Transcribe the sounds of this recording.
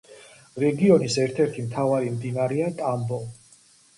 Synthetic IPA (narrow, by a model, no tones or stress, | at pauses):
ɾɛɡiɔnisɛɾt̪ʰɛɾt̪ʰimt̪ʰavaɾimd̪inaɾɛat̪ʼambɔ